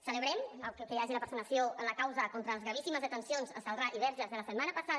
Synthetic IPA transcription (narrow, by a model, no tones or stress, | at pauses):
sələβɾɛməlˠkəkəjaʒiləpəɾsunəsjoənləkawzəkont̪ɾələzɣɾaβ̞isiməzðət̪ənsionzəsəlˠraʔiβɛɾʒəzðələsət̪manəpəsað